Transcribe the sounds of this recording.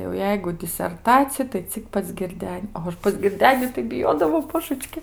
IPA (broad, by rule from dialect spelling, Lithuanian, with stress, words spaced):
jɛʊ ˈjɛɪɡʊ dʲɪsʲɛrˈtɑːt͡sʲɪjɛ tɐɪ ˈt͡sʲɪk pɐs ɡʲɪrʲˈdʲɛnʲ pɐs ɡʲɪrʲˈdʲæːnʲɪ tɐɪ bʲɪˈjoːdɐʋɐʊ ˈboːʒət͡ʃʲkʲɪ